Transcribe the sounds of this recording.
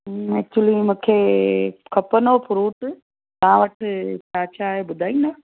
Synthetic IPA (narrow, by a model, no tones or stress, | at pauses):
ɛk̚t͡ʃuəlimũːkʰe | kʰɐpənoːpʰʊɾuːʈ | t̪ɐãʋɐʈʰpaːt͡ʃʰaɦebʊd̪ʱaːĩna